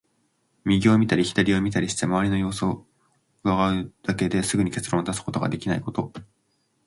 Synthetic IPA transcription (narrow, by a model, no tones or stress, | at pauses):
mʲiɡʲoomʲit̪aɾʲiçi̥d̪aɾʲio̞mʲit̪aɾʲiɕi̥t̪e̞maβaɾʲino̞jo̞ːso | ɯaɡaɯ̟d̪̥ake̞d̪e̞sɨɡɯ̟ɲ̟ike̞t͡sɨɾõ̞ot̪asɨ̥ko̞t̪o̞ɡa̰d̪e̞kʲinaiko̞t̪o̞